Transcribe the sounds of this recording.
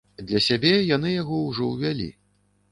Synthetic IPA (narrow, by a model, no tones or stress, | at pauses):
d̪lʲɐsʲabʲɛjanɨjaɣɔwʐɔwvʲalʲḭ